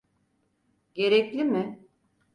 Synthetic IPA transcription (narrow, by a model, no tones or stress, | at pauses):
ɟ̥e̞ɾɛclʲimɪ